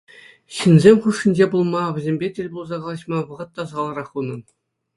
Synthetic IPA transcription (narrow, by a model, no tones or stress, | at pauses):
ɕinzʲemʲχuʂːĭnʲd͡ʑebulˠmɑʋʲɘ̆zʲemʲbʲetʲelʲbulˠzɑʁɑlˠɑɕmɑʋɤ̆ʁɤ̆t̪ːɑzɑlˠɑɾɑχunɤ̆n